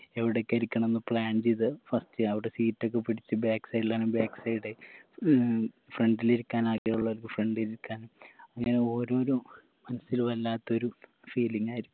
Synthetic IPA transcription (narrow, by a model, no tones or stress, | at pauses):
e̞ʋiɽekːɐɾikʲːɐɳɐmenːɨpɭaːɳt͡ɕejt̪̬ɨfɐstɨɐʋiɽe̞siːtːo̞k̬ːepiɽit͡ɕːɨbaːksɐjɖlaːnumbaːksɐjɽɨ | freɳɖiliɾukʲːaːnaːkeːuɭːɐʋɐlkɨfreɳɖiɾiɾkːaːnumɐŋːɐne̞o̞ːɾo̞ːɾo | mɐnɐsːilʋɐlːaːt̪ːo̞ɾu | fiːliŋːaːjiɾikʲːum